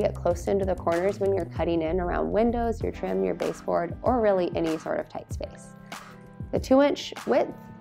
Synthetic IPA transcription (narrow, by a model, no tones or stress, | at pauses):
ɡɛt̚kʰl̥oʊsɪ̃ntʉðɨkʰɔɹnə˞zwə̃njə˞kʰʌɾɪ̃ŋɪ̃nə˞ã̰ʊ̃nd̚wɪ̃ndoʊzjə̰˞tʰɹ̥ɪ̃mjə̰˞beɪsb̥ɔ̰ɹɾʔə˞ɹɪlˠiʔɛñisɔ̰ɹɾʌ̰v̥tʰaɪtspeɪs | ðɨtʰʉɪ̃nt͡ʃwɪð